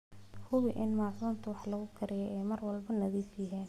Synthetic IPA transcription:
hʊβɪʔɪnmɑːsuːnt̪ʰʊwɑħlɐɣʊkʰɐɾɪjɛjʔɛjmɐrwɑlbɐnɐðiːfjɐɦɛːn

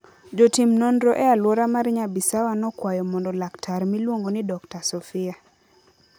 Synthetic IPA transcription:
d͡ʒɔtimnɔndɾɔʔɛalwɔɾamaɾɲabisawanɔkwajɔmɔndɔlaktʰaɾmilwoŋɡonɪdɔktasɔfɪa

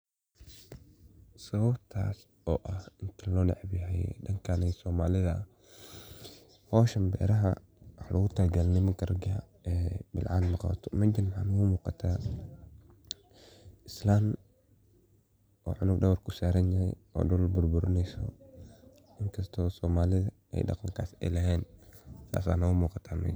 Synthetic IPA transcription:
sɐβɐbt̪ʰa̰ːs | ɔːʔɐhɪnt̪ʰɐlɔːɖɛ̰ʕbɪɦɛj̰ɖɐŋkʰanɛsɔːmaːlɪðɐ | hɔːʃɐmbɛ̰ːɾɐɦɐ̰ | wħlʔɐɣʊt̪ʰɐlɡɐlnɪmɐŋkʰɐrɐɡa | ɛːbɪ̰lʕa̰ːnmɐqɔ̰ːt̪ʰɔ̥mɐd͡ʒɪnʕa̰nwʊmuːqɑt̪ʰaː | ɪslaːm | ʔɔːʕʊnʊɡɖɐwɐrkʰʊsaːɾɐnjɐhɛ̰jɔ̰ːɗʊlbʊrbʊɾɪnɛjsɔ̰ | ɪŋkʰɐst̪ʰɔsɔːmaːlɪðɐ | ɛ̰jɖɑ̰qɑŋkʰaːsɛ̰jlɛɦɛːnt̪ʰa̰ːsa̰ːnɐwʊmuːqɑt̪ʰaːmɛ̰

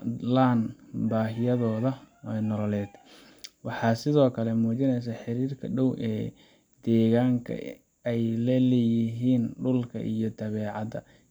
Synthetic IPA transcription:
laːnbaːɦɪjɐðɔːðɐɛjnɔlɔlɛːd̪ | wɑħɑːsɪðɔːkʰɐlɛmuːt͡ʃɪnɛjs̬aħɪɾiːrkʰɐɖɔwʔɛː | d̪ɛːɣaːŋkʰɐ̰ | ɛjlɛlɛjɪɦiːnɖʊlkʰɐ̰ʔḭjɞd̪ɐβɛːʕɑd̪ɐ̰

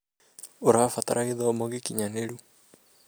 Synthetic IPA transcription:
oɾaːfat̪a̰ɾʔaɣeðɔmɔɣikiɲaneɾu

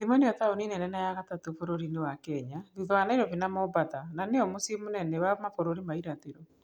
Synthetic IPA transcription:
ðemɔneɔtaoninɛnɛnajaɣatatofoɾoɾinewakɛɲaðuðɔanaeɾɔβinamɔbatananeɔmosimonɛnɛwamafoɾoɾimaiɾateɾɔ

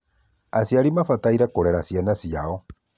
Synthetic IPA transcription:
asjaɾimafataiɾɛkoɾɛɾasjanasiaɔ

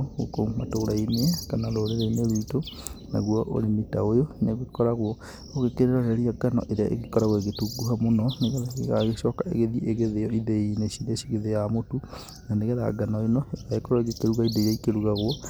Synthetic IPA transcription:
o̰komatoɾainekanaloːɾeɾeineβitona̰ɣwɔʔo̰ɾenitaojoneɣokekɔɾaɣwɔ | oɣekeɾeɾaɾeɾiaɡanɔ̰ʔeɾeaʔḛɣekɔɾaɣweɣetuɡuɦamonɔneɣeaɣeɣaɣeʃɔkaḛɣeðiʔeɣeðeɔiðeineʃiɾeaʃiɣeðejamotu | naneɣeða̰ɡanɔenɔeɣaekɔɾaeɣekeɾuɣaidejaikeɾuɣaɣwɔ

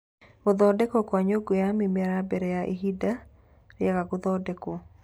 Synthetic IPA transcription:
ɡʊðɔdɛkokwaɲoɡojamimɛɾabɛɾɛjaʔḭɦida | ɾjɛkaɡoðɔdɛko

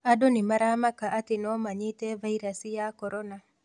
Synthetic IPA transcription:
adonɪmaɾamakaʔatɪnɔmaɲɪtevaiɾasijakɔɾɔna

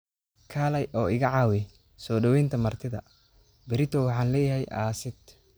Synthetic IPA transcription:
kʰaːlɛjʔɔːɪɣɐʕɑːwɛ | sɔːɖɐwɛjnt̪ʰɐmɐrt̪ʰɪðɐ̰ | bɪɾɪt̪ʰɔwɑħɑːnlɛːjɛɦɛjʔa̰ːsɪd̪

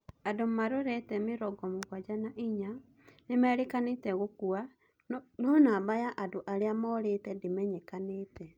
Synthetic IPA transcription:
adommaɾoɾɛtɛmeɾɔɡɔmoɣwad͡ʒanaʔiɲa | nemɛːɾekanetɛɣokua | nonaːbajaʔadoʔaɾeamɔɾetɛdimɛɲɛkanetɛ

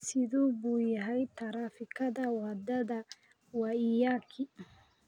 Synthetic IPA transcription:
sɪðuːbuːjɐɦɛjt̪ʰɐɾaːfɪkʰɐðɐwɑd̪ɐðɐ | wɑɪjaːkʰɪ

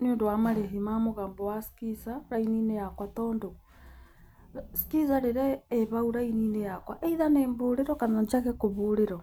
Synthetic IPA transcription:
neondowamaɾeɦimamoɣaːmbɔwasi̥kisaɾaininejakwatɔːndo | si̥kiz̬aɾeɾeːβauɾainiːnejakwa̰ʔeiðaneːmboːɾeɾɔkanaɲt͡ʃaɣekoβoːɾeɾɔ

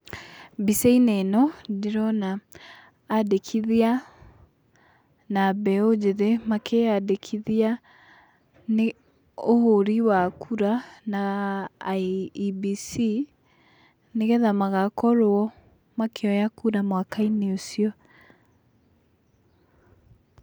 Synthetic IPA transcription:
biseinenɔdeɾɔnaː | dekʰiðia | nabɛod͡ʑeðemakʰeadekʰiðia | ne | ohoɾiwakʰuɾana | bisi | neɣɛðamaɣakɔɾoɔ | makʰeɔjakuɾamwakaineosiɔ

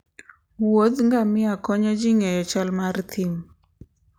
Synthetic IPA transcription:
wod̪ŋɡamɪakɔɲɔd͡ʒiŋɛjɔt͡ʃalmaɾt̪ʰim

